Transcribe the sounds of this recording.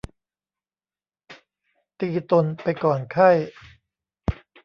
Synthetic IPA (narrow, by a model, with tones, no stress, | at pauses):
t̪iː˧t̪o˧npa˧jkɔː˨˩nkʰa˥˩j